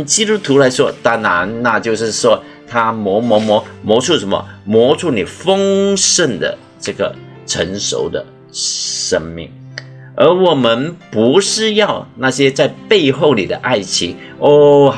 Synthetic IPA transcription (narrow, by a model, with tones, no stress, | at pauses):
t͡ɕi˥t̪u˥t̪ʰu˧˥la˧˥ɪʂwɔ˥t̪a˥na˧˥nna˥˧t͡ɕjo˥˧ʊʂɻ̩˥˩ʂwɔ˥ | t̪ʰa˥mwɔ˧˥mwɔ˧˥mɔ˧˥mwɔ˧˥ʈ͡ʂʰu˥˩ʂə˧˦nmə̰˧mwɔ˧˥ʈ͡ʂʰu˥˩ni˨˩fɤ˥ŋʂə˥˩nd̪ə̰˩ | ʈ͡ʂɤ˥˩ɡə̰˩ | ʈ͡ʂʰə̰˧˥nʂo̰˧˥ʊd̪ə̰˧˨ | ʂə˥ŋmḭ˥˩ŋ | ə˞˧˥wɔ˨˩mə˧˦npu˧˥ʂɻ̩˥˧jɑ˥˧ʊna˥˩ɕjɛ˥t͡sa˥˧ɪpe˥˧ɪxo˥˩ʊlḭ˨˩d̪ə˦ʔa˥˩ɪt͡ɕʰi˧˥ŋ | o˥˩